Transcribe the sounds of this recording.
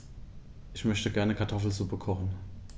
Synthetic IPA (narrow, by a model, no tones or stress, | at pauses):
ʔɪçmœçtəɡɛɐnəkʰaɐtʰɔfl̩zupəkʰɔχən